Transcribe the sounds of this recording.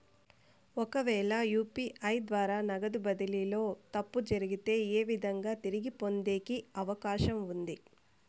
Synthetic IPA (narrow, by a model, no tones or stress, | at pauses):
ɔkɐʋɛːɭɐjuːpiːʔɐjd̪ʋaːɾaːnɐɡɐd̪ubɐd̪ililo̞ːt̪ɐpːud͡ʒɐɾiɡit̪e̞ːeːʋid̪ʱɐŋɡaːt̪iɾiɡipo̞nd̪e̞ːkiɐʋɐkaːʃɐmund̪i